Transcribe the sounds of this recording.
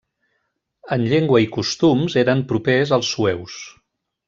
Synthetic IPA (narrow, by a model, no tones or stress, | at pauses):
ənʎeŋɡwəikust̪umzeɾəmpɾupezəlˠsːuɛws